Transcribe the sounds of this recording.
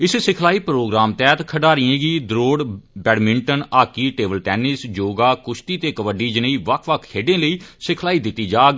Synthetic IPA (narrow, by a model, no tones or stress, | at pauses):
ɪssɪkʰlaːiːpɾoːɡɾaːmt̪ɛːt̪kʰəɖaːɾiẽːɡiːd̪ɾoːɽbɛːɖmɪ̃ɳʈənaːkiːʈeːbəlʈɛːnɪsd͡ʒoːɡaːkʊʃʰt̪iːt̪eːkəʋəɖiːd͡ʒɪnəiːʋəkʰʋəkʰkʰeːɖẽːləiːsɪkʰlaːiːd̪ɪt̪ːiːd͡ʒaːɡ